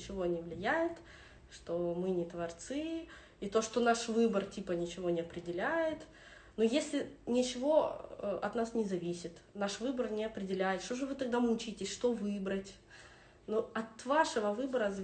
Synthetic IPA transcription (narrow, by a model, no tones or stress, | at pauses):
t͡ɕɪvo̞nʲɪvlʲɪjæjɪt̪ | ʂt̪omɨnʲɪt̪vɐrt̪sɨ | it̪o̞ʂt̪onaʂvɨbərtʲipənʲɪt͡ɕɪvo̞nʲɪɐpɾʲɪdʲɪlʲæjɪt̪ | nojesʲlʲɪnʲɪt͡ɕɪvo̞ɐ̰t̪nasnʲɪzɐvʲisʲɪt̪naʂvɨbərnʲɪɐpɾʲɪdʲɪlʲæjɪt̪ʂt̪oʐɨvɨt̪ɐɡ̚d̪amʊt͡ɕitʲɪsʲʂt̪o̞vɨbɾətʲ | nuɐt̪vaʂəvəvɨbəɾəz